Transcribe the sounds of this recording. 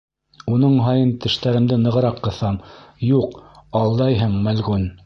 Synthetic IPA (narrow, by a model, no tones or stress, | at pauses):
unɤɴɦɑjɤnt̪ɘ̆ʃt̪æɾɘ̆md̪ɘnɤ̆ʁɤ̆ɾɑqːɤ̆θɑmjuqɑlˠd̪ɑjɦɤɴmælɣʉn